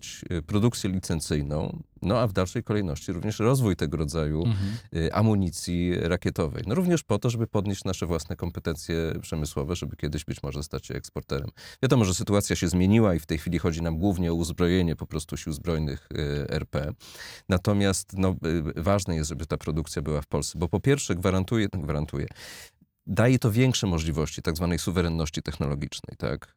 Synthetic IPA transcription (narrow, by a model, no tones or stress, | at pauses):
t͡ɕpɾɔd̪uk̚t̪sʲjɛlʲit̪sɛnt̪sɘjnɔ̰̃w̃ | nɔavd̪alʂɛjkɔlɛjnɔɕt͡ɕiɾuvɲɛʂɾɔzvujt̪ɛɡɔɾɔd̪zajuʔa̰muɲit̪sʲjiɾakʲɛt̪ɔvɛ̰jnɔɾuvɲɛʂpɔt̪ɔʐɛbɘpɔd̪ɲeɕt͡ɕnaʂɛvwasnɛkɔmpɛt̪ɛnt̪sʲjɛpʂɛmɘswɔvɛʐɛbɘkʲɛd̪ɘʑbɘt͡ɕmɔʐɛst̪at͡ɕɕɛ̰ɛ̰kspɔɾt̪ɛɾɛ̰mvʲjad̪ɔmɔʐɛsɘt̪uat̪sʲjaɕɛzmʲjeɲiwaift̪ɛjxfʲilʲixɔd͡ʑinamɡwuvɲɛɔuzbɾɔjeɲɛpɔpɾɔst̪uɕiwzbɾɔjnɘ̰xɛ̰ɾpɛnat̪ɔmʲjast̪nɔvaʐnɛjɛst̪ʐɛbɘt̪apɾɔd̪ukt̪sʲjabɘwafpɔlssɛbɔpɔpʲjɛɾfʂɛɡvaɾant̪ujɛɡvaɾant̪ujɛ̰ | d̪ajɛt̪ɔvʲjɛŋkʂɛmɔʐlʲivɔɕt͡ɕi̥t̪aɡzvanɛjsuvɛɾɛnːɔɕt͡ɕit̪ɛxnɔlɔɡʲit͡ʂnɛ̰jt̪a̰k